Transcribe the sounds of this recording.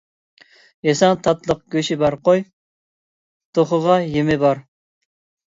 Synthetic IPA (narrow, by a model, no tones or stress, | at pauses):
jesɑŋt̪ʰɑt̪lˠəq̚ɡ̥ʲøʃibɑɾqoj | t̪ʰoχəʁɑjemɪbɑɾ